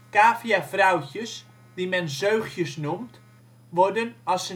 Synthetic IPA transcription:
kaːfiafrawcəs | dimɛnzøɥχjəsnumt | ʋɔrdənɑlˠsə

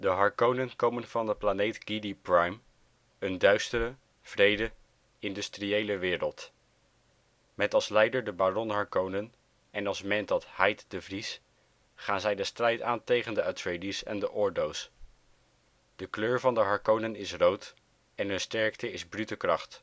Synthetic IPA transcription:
dəɦɑɹkownənkowmənv̥ɑndəplanejtɡ̥idiprajm | əndœɥstəɾə | v̥rejdə | ɪndʏstriejləʋɪːɾəlˠt | mɛtɑlˠslɛjdəɹdəbaːrɔnɦɑɹkownən | ɛnɑlˠsmɛntdɑthɛjtdəvris | χaːnzɛjdəstrɛjtaːntejχəndəatɹejdisɛ̰ndəʔɔɹdows | d̥əkløːɹvɑndəɦɑɹkownənɪsrowt | ɛnɦɵnstɛɹktəɪzbrytəkrɑχt

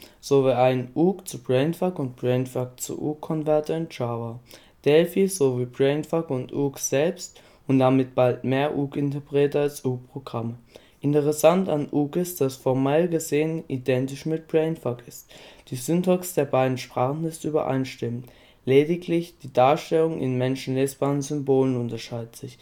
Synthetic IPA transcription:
z̥oviʔaɪnʔuːkt͡sub̥ʁɛɪnfakʊnt̚b̥ʁɛɪnfak̚t͡sṵʔuːkʰːɔnvɛɐtəɪnt͡ʃaːvɐ | d̥ɛlfiz̥oviːbʁɛɪnfakʊntʔuːkz̥ɛlpst | ʊntd̥amɪt̚b̥altmeːɐʔuːkɪntəpʁ̥eːtəalsʔuːk̚pʁ̥oɡ̥ʁamə | ʔɪntəʁɛsantanʔuːkɪstd̥asfɔɐmɛlɡəzeːənidɛntɪʃmɪt̚b̥ʁɛɪnfakɪstd̥iːzʏntɔksd̥eːɐbaɪdn̩ʃpʁ̥aːχn̩ɪstyːbɐ̰ʔa̰ɪnʃtɪmənt | leːdɪkʰlɪçd̥iːdaːɐʃtɛlʊŋʔɪ̰nmɛnʃn̩leːsb̥aːʁənzʏmboːlənʊntɐʃaɪdətz̥ɪç

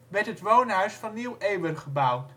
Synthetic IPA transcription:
ʋɛɹtɦətʋownɦœɥsfɑnːiwejwənχəbʌwt

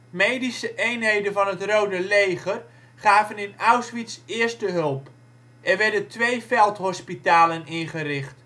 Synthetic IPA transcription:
mejdisəʔejnɦejdənvɑnɦətrowdəlejχər | χaːvənɪnawsʋitsɪːɹstəɦɵlˠp | ʔɛɹʋɛɹdəntʋejfɛlˠtɦɔspitaːlənɪnχərɪχt

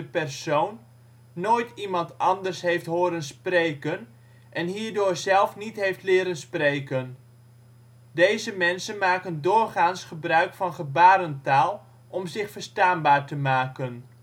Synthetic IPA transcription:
əpɛrsownː | oːjtimɑntɑndərsɦejftɦoːɾənsprejkən | ʔɛnɦiːɹdoːɹzɛlˠfnitɦejftlɪːɾənsprejkən | dejzəmɛnsənmaːkəndoːrχaːnsχəbrœɥkfɑnχəbaːɾəntaːlˠ | ʔɔmzɪχfəɹstaːnbaːɹtəmaːkən

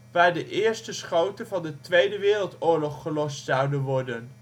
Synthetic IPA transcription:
ʋaːɹdəʔɪːɹstəsχowtənvɑndətʋejdəʋɪːrəlˠtʊːɹlɔχχəlɔstsɑwdənʋɔɹdən

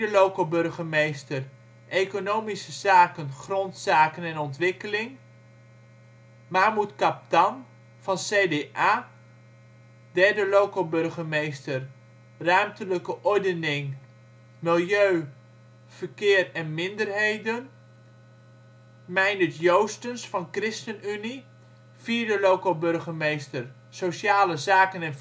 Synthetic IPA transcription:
əlowkəlˠbɵrχəmejstər | ʔejkonowmisəzaːkənχrɔntsaːkənɛnɔntʋɪkəlɪŋ | maːmutkɑp̚tɑn | v̥ɑnseːdeʔaː | dɛɹdəlowkəlˠbɵrχəmejstər | rœɥmtələkəʔɔɹdənɪŋ | mɪlˠjøɥ | v̥əɹkɪːrɛnmɪndərɦejdən | mɛjnətjowstənsfɑnkrɪstənyni | fiːɹdəlowkəlbɵɹχəmejstər | soʃaːləzaːkənɛn

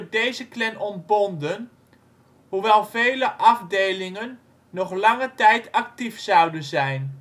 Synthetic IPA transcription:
dejzəklɛnɔndbɔndən | ɦuʋɛlˠvejləʔɑvdejlɪŋənː | ɔχlɑŋətɛjtɑk̚tifsɑwdənzɛjn

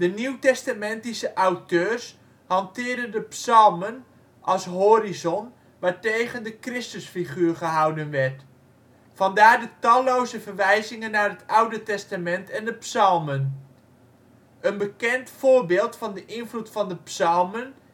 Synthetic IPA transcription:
d̥əniwtɛstamɛntisəʔawtøːɹs | hɑntɪːɹdəndəpsɑlˠmən | ʔɑlˠsɦoːɾizɔn | ʋaːɹtejχəndəkrɪstəsfiχyːɹχəɦawdənʋɛrt | fɑndaːɹdətɑlowzəvərʋɛjzɪŋənːaːɹɦətawdətɛstamɛntɛndəpsɑlˠmən | ʔənbəkɛntfʊːɹbɪːlˠtfɑndəʔɪnvlutfɑndəpsɑlˠmən

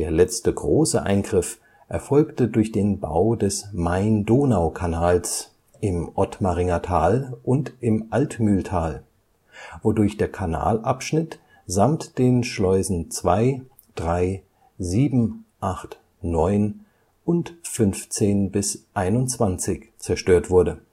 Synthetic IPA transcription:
d̥eːɐlɛt͡stəɡʁoːsə̰ʔa̰ɪnɡʁɪf | ʔɛɐfɔlktədʊɐçd̥eːnba̰ʊdɛsmaɪndoːnaʊkʰanaːls | ʔɪmʔɔtmaʁɪŋatʰaːlʔʊntʔɪmʔaltmyːltʰaːl | vodʊɐçd̥eːɐkʰana̰ːlʔapʃnɪt | z̥amtd̥eːnʃlɔʏzn̩t͡sv̥aɪ | d̥ʁaɪ | ziːbm̩ʔaχt | nɔʏn | ʔʊntfʏnft͡seːnbɪsʔaɪnʊnt͡sv̥ant͡sɪçt͡sɛɐʃtøːɐtv̥ʊɐdə

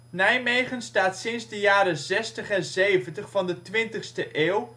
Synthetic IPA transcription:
nɛjmejχənstaːtsɪnzdəjaːɾəzɛstəχɛnzejvəntəχfɑndətʋɪntəχstəʔeːw

